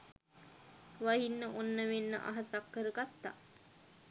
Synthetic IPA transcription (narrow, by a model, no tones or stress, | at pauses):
ʋaɦinːəʔonːəʋenːə̰ʔa̰ɦasakːəɾəɡat̪ːa̰